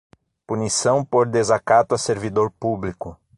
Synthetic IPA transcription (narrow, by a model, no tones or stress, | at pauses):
punisɐ̃w̃poɾd̪ezakat̪ʊɐseɾvid̪oɾpublikʊ